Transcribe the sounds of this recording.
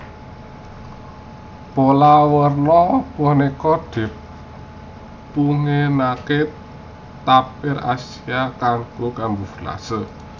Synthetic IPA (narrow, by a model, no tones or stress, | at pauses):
polawərnɔpɔnekɔd̥ɪ̤p̚ | uŋenake | t̪apɪra̰siakaŋɡokambufla̰sə